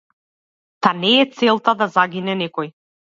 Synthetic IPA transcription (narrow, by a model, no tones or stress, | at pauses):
t̪anɛːt̪sɛlˠt̪ad̪azaɡinɛnɛkɔj